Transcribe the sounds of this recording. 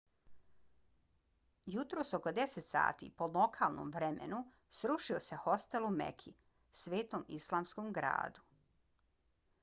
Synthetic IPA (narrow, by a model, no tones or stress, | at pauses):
jut̪ɾo̞ːsoko̞d̪eset̪sa̰ːt̪ḭːpo̞lo̞kʰaːlˠno̰mʋɾemḛnu | sɾuʃiose̞ho̞st̪elumḛkʰi | sʋeːt̪omḭslˠaːmskomɡɾa̰ːd̪u